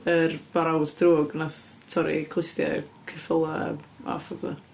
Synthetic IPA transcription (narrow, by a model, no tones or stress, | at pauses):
ərb̥aɾawdd̥ruːɡnaθ | tʰɔɾḭkʰlˠɪstja̰kʰɪfəlˠaa̰fɔɡə̰